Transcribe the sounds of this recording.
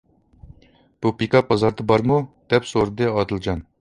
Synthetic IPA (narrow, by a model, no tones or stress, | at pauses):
b̥upikʰɑpʰɑzɑɾd̪ɨbɑɾmud̪̥ɛpsoɾɨd̪ɨɑd̪ɨlˠd͡ʒɑn